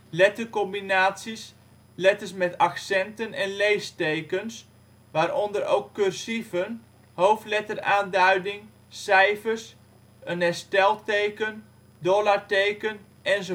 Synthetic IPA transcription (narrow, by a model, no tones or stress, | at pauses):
lɛtərkɔmbinaːtsis | lɛtəsmɛtaksɛntənɛnlejstejkəns | ʋaːɾɔndərɾo̰wkːørsivən | howftlɛtəraːndœɥdɪŋ | sɛjfərs | ənɛrstɛlˠtejkən | dolaɹtejkən | ʔɛnso